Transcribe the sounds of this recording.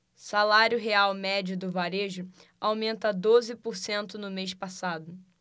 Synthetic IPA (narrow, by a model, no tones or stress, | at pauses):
salaɾjʊɦeawmɛd͡ʒʊd̪ʊvaɾeʒʊ | awmẽnt̪ɐd̪ozɪpoɾsẽnt̪ʊnʊmejʃpasad̪ʊ